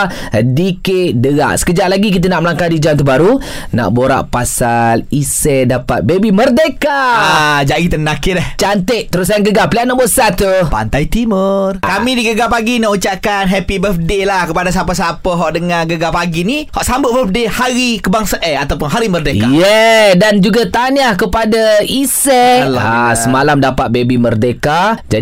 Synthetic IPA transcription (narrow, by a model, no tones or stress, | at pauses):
dikedəɡa̰ʔsə̥kəd͡ʒaʔlaɡik̬it̪̬ənaʔməlaŋkadid͡ʒamt̪əbaɾu | na̰ʔboɾa̰ʔpasalisɛdapat̪̚bebimərdekaad͡ʒait̪ənakɪɾɛht͡ʃant̪əʔt̪əɾʊsajaŋɡəɡapəliaʔnaʔbosat̪upa̰nt̪ajt̪imərkamĩdiɡəɡapaɡinaʔut͡ʃaʔkanɦɛpibəfdelahkəpadas̬apəs̬apəɦɔʔdəŋãɡəɡapaɡinihɔʔsambʊt̪̚bəfdehaɾikəbaŋsaʔɛat̪awpʊnɦaɾimərdekajɛdand͡ʒuɡat̪anahkəpadaisɛasəmalamdapat̪̚bebimərdekad͡ʒa